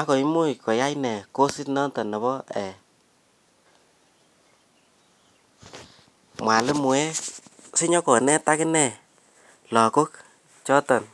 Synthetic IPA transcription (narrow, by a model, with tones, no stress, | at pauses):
a˦ko˨i˦mʊ˦jkɔ˨ja˦jnɛ˨ko˦sɪ˦tnɔ˦ntɔ˨nɔ˨bɔ˦ɛ˨ | mwa˨lɪ˦mu˨ɛ˦sɪ˦ɲɔ˦kɔ˨nɛ˦ta˦kɪ˦nɛ˦˨ | lɔ˨ko˦k | t͡ʃɔ˦tɔ˨n